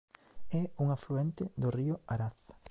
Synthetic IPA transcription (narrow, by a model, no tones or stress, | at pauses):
ɛuŋafluɛnt̪ɪd̪ʊriʊaɾaθ